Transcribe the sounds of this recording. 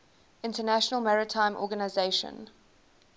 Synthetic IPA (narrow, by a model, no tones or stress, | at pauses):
ɪ̃ntənæʃənəlˠmaɹɪtʰãɪ̃mʔɔ̰ːɡənaɪzeɪʃə̰̃n